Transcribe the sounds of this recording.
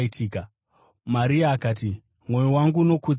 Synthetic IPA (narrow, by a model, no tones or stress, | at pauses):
itʰiːka | maɾiaːkaːt̬i | mwo̞jowaŋɡuːno̞ku